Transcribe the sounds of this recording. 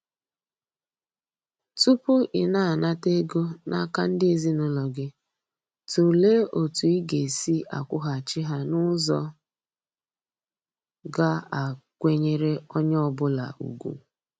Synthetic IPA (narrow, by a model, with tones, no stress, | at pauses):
tu˦pʊ˦ʔɪ˨na˦a˨na˦te˦ɡo˦na˦˨ka˦n̩˦dɪ˦e˨zi˦nʊ˦lɔ˨ɡɪ˦ | tu˨le˦o˨tu˨i˦ɡe˨si˦a̰˨kʷʊ˦ɦa˨t͡ʃɪ˦ɦa˦nʊ˦zɔ˦ | ɡa˦a˨kʷe˦ɲe˦ɾe˦ɔ˦ɲ˦ɔ˦˨bʊ˦la̰˨ṵ˨ɡʷṵ˨